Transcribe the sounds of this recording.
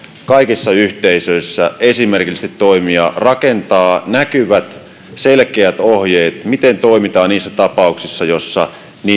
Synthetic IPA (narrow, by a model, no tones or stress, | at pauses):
kɑikisːɑyht̪eisøisːæ̰esimerkist̪it̪toimiɑ̰rɑkent̪ɑːnækyʋæt̪ | selkeæt̪ohjeːt̪mit̪ent̪oimit̪ɑːniːsːæt̪ɑpɑuksisːɑjosːɑ̰ | niː